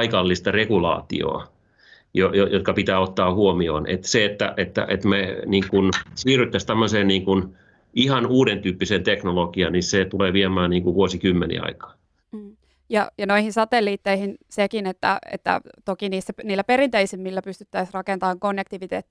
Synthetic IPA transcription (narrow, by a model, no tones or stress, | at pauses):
ikɑlːist̪ɑrekulɑ̰ːt̪ḭo̰ː | jojojot̪kɑpit̪æːot̪ːɑːhuomio̰ːnʔḛt̪seet̪ːæ̰ʔet̪ːæ̰ʔet̪meniːŋkunsiːryt̪ːæst̪æmːøseːnniːŋkun | ihɑnuːdent̪yːpːisent̪eknolokiɑniset̪uleːʋiemæːnniːŋkuʋuosikymːenḭɑ̰ikɑ̥ː | jɑjɑnoihinsɑt̪elːiːt̪ːeihinsekinet̪ːæ̰ḛt̪ːæ̰t̪okiniːsːæniːlːæperint̪eisimːilːæpyst̪y̥t̪ːæisrɑkent̪ɑːŋkonːekt̪iʋit̪eːt̪ːi̥